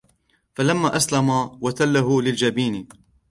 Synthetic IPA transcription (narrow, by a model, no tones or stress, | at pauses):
falamːaːʔaslamawat̪alːaɦʊlɪld͡ʒabiːnɪ